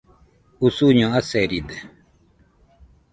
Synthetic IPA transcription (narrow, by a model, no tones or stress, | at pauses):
usuɲɔ̃asɛɾid̪ɛ